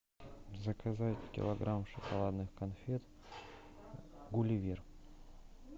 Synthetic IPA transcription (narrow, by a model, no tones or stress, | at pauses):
zəkɐzatʲkʲɪ̰lˠɐɡɾʔamʂɨkɐlˠad̪nɨxkɐnfʲet̪ | ɡʊlʲɪvʲir